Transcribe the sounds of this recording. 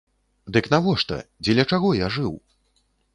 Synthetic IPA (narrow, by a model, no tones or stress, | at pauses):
d̪ɨknavɔʂt̪ɐ̰d͡zʲɛlʲɐt͡ʂaɣɔjaʐɨw